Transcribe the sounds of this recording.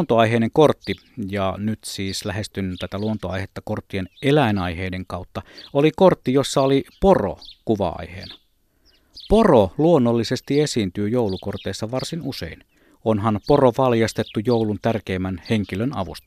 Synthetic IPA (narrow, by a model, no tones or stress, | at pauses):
nt̪oɑiɦeineŋkort̪ːi | jɑnyt̪siːslæhest̪ynt̪æt̪æluont̪oɑ̰ihet̪ːɑkort̪ːienelæenɑjheːdeŋkɑut̪ːɑolikort̪ːijosːɑoliporo̰kuʋɑ̰ɑ̰ihḛːnɑ | poroluonːolːise̞st̪iesiːnt̪yːjowlukort̪eisːɑʋɑrsinusḛin | onɦɑnporoʋɑljɑst̪et̪ːujoulunt̪ærkeːmːænheŋkilønɑ̰ʋṵst̪ɑ̥